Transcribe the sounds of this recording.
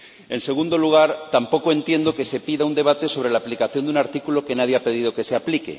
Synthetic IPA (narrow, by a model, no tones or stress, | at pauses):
e̞nse̞ɣ̞und̪oluɣ̞aɾt̪ampo̞koe̞nt̪je̞nd̪o̞ke̞se̞piðaund̪e̞β̞at̪e̞so̞β̞ɾe̞laːplikaθjo̞nd̪unaɾt̪ikulo̞ke̞naðjeape̞ð̞ið̞o̞ke̞seaplikḛ